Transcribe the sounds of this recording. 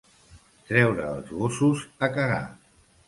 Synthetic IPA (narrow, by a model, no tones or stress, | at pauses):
t̪ɾɛwɾəːlˠzβosuzəkəɣa̰